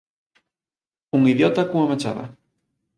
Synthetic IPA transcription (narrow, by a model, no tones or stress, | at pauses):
uŋiðjot̪akuŋamat͡ʃa̰βa̰